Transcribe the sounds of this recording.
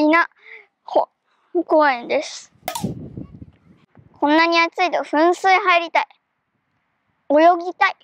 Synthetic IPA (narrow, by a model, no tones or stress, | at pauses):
ina | ho | okoẽnd̪e̞sɨ̥ | kʰõ̞nːaɲ̟iat͡sɨit̪o̞ɸɯ̟̃ɰ̃sɨiɦaiɾʲit̪ai | o̞jo̞ɡʲit̪ai